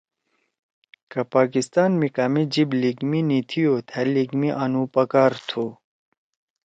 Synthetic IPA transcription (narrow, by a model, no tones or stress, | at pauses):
kɐpaːkist̪aːnmikaːmid͡ʑibliɡminit̪ʰijoːt̪ʰɛliɡmiʔanupɐkaːɾt̪ʰo